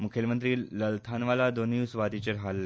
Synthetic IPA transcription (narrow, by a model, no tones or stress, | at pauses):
mukʰelmənt̪ɾiːləlt̪ʰanʋalad̪onːusʋad̪it͡ɕeɾɦalːe